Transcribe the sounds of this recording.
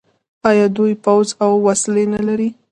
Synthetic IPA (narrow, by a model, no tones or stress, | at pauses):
ɑjɑd̪ujpawzawːaslenalaɾi